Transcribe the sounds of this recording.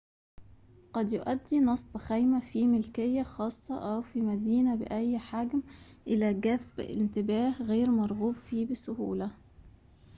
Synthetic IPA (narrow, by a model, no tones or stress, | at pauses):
qɑd̪joʔæd̪ːinɑsˤːbɪxæjmæfimelkejːæxɑːsˤːɑʔæwfimæd̪iːnæbḛʔæjːħaɡmʔɪlæːɡæθbḛnt̪ɪbæːhɣeːɾmɑɾˤɣuːbfiːbɪsʊhṵːlæ